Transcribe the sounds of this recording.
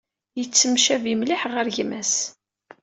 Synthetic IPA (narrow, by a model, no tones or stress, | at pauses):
jət͡sːəmʃævimliħʁəɾʝmæs